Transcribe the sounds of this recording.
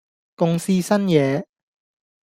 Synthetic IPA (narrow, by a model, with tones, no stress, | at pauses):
kʊ˧ŋsiː˥sɐ˥njɛː˨˧